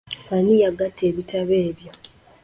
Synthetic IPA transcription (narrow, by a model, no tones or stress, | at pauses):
wanijaɡatʰːe̞ːβitʰaβeːβjo